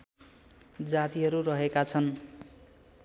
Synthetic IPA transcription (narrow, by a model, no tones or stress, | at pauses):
d͡zat̪iɦʌɾurʌɦekat͡sʰʌn